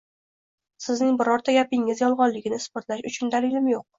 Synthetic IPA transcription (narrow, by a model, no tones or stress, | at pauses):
sɪznɪŋbɪɾɒɾt̪ʰaɡʲapɪŋɪzjɒlˠʁɒnlɪɡʲɪnɪɪspoɾt̪laʃʊt͡ʃʰʊnd̪alɪlɪmjoq̚